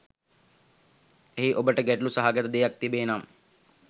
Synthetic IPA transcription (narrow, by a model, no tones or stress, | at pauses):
eɦiʔobəʈəɡɛʈlusɐɦaɡɐt̪əd̪ejɐk̚t̪ibeːnam